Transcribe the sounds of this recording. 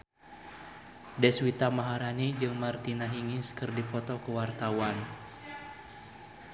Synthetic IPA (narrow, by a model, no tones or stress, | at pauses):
dɛswit̪amaɦaɾanid͡ʒɨŋmart̪inaɦiŋiskɨrdipɔt̪ɔkuwart̪awan